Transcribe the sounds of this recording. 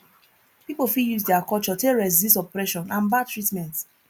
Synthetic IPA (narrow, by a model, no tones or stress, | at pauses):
pipofijuzdɛakɔlt͡ʃɔteɹɛs̬distɔpɹɛʃɔ̃nãnbatɹitmɛ̃nt